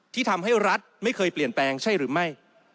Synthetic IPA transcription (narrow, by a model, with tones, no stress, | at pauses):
t̪ʰiː˥˩t̪ʰa˧mɦa˥˩jɾa˦˥t̪̚ma˥˩jkʰɤː˧jpli˨˩ənplɛː˧ŋt͡ɕʰa˥˩jɾɯː˩˦ma˥˩j